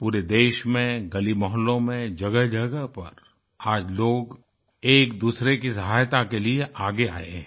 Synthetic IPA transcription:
puːɾed̪eːʃmẽɡɐlimɔɦənlõmẽd͡ʒɐɡəɦd͡ʒɐɡəɦpɐ̰ɾ | aːd͡ʒloːɡ | eːkd̪uːsɾekisɐɦaːjt̪akelieʔaːɡea̰ːe

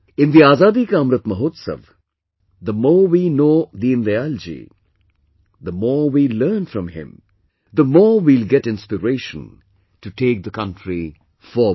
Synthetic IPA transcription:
ɪ̃nd̪iaːzaːd̪ikɐmɾət̪mɐɦoːt̪sə̰ʋ | d̪əmɔːwinoːd̪iɪ̃nd̪eald͡ʒḭ | d̪əmɔːwilɜːnfɾʌ̃mhɪ̰̃m | d̪əmɔːwilɡɛʈɪ̃nspɪɾeːʃə̰̃n | tuʈʰeːk̚d̪əkʌ̃ntɾi | fɔ

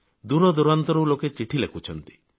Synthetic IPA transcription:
d̪uɾɔd̪uɾant̪ɔɾuloket͡ʃiʈʰilekʰut͡ʃʰɔnt̪i̥

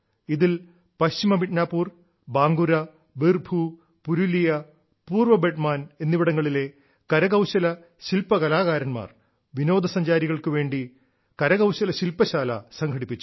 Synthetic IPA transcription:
iðil | pɐɕimɐbiʈnaːpːuːr | baːŋɡuɾɐ | ʋirbʱu | puɾulijɐ | puːrʋɐbeʈmaːne̞nːiʋiɽɐŋːɐɭile̞ | kɐɾɐɣɐwɕɐlɐ | ɕilpɐkɐlaːɣaːɾɐnma̰ːr | ʋino̞ːd̪ʱɐsɐɲd͡ʑaːɾiɣɐɭkɨʋe̞ːɳɖi | kɐɾɐɣɐwɕɐlɐɕilpːɐɕaːlɐ̰sɐŋɡʰʱɐɽipːit͡ɕːu̥

